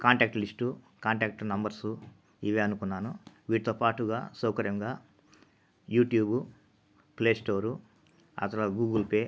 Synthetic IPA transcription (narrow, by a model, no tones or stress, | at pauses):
kaːɳʈaːk̚ʈlisʈu | kaːɳʈaːk̚ʈnɐmbɐɾsu | iʋiɐnukunːaːnuʋiːʈit̪oːpaːʈuɡa̰ːsɔːkɐɾjɐŋɡaː | juːʈjuːbu | pleːsʈoːɾu | ɐ̰t̪ɐlɐɡuːɡɐlpeː